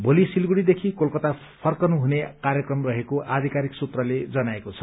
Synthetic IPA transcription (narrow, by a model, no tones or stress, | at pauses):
bolisilɡuɽid̪ekʰikolkʌt̪a | pʰʌrkʌnuɦunekaɾjʌkrʌmrʌɦekoʔad̪ʱikaɾiksut̪rʌled͡zʌnaekot͡sʰʌ